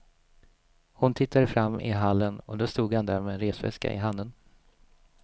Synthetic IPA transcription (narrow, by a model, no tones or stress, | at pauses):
hʊnt̪ʰɪt̪ʰːad̪əfɾamːɪ̰ɦalːənɔ̰d̪ost̪uːɡhand̪æɾmenɾeːsvɛ̰ska̰ʔɪ̰ɦand̪ən